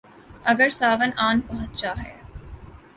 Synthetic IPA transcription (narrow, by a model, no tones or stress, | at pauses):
ɐɡəɾsaːʋənʔaːnpɐɦʊt̪̚t͡ʃaːɦɛ̰ː